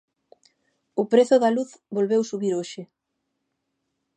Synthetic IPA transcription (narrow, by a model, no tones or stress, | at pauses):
ʊpɾeθʊðɐluθbolβewsuβiɾoʃɪ